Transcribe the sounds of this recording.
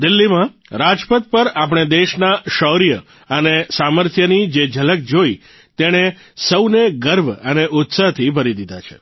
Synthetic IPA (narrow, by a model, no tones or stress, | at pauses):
d̪ɪlːimã | ɾad͡ʒpət̪̚pəɾapɽ̃ed̪eʃnaʃɔɾijə | ənesaməɾt̪ʰjənid͡ʒed͡ʒələk̚d͡ʒoi | t̪eɽ̃e | səwneɡəɾbʱəneʔʊt̪saɦt̪ʰibʱəɾid̪id̪at͡ʃʰe̥̰